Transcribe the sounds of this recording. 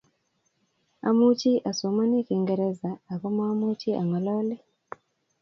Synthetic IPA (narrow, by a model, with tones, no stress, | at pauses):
a̰˨mu˦t͡ʃi˦ʔa˨so˨˦ma˦ni˦ki˨ŋɡɛ˨ɾɛ˦zaː˨kɔ˦mɔ˦a˦mu˦t͡ʃi˦a̰˨ŋwa˨lɔ˦lɛ˦